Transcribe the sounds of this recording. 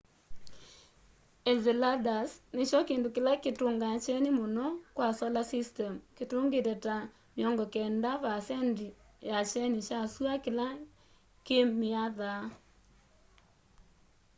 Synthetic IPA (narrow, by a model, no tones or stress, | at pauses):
ɛzeladasnet͡ʃɔkeːndokɪlaketoŋɡat͡ʃɛnɪmonɔkwasɔlasistɛmketoŋɡetɛta | mjɔŋɡɔkɛndavasɛndi | jat͡ʃɛnɪt͡ʃaswakɪla | kemiaða